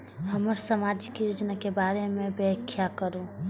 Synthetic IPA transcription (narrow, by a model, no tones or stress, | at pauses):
həməɾsəmaːd͡ʒkijod͡ʒnakebaːɾemẽbəkʰːjakəɾũ